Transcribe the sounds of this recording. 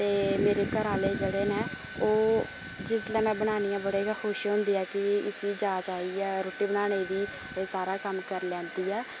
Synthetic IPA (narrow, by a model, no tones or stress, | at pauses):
t̪eːmeːɾeːkəɾaːleːd͡ʒeːɽeːnẽː | oː | d͡ʒɪslɛːmɛ̃ːbəɽ̃aːñijãːbəɽeːɡaxʰoːʃɦõːnd̪iːɛːkɪɪsiːd͡ʒaːt͡ʃaːiːɛːɾoːʈiːbəɽaːñeiːd̪iː | saːɾaːkəmkəɾlɛ̃ːnd̪iːɛː